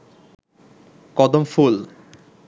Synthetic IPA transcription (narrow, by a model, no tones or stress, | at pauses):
kɔd̪omful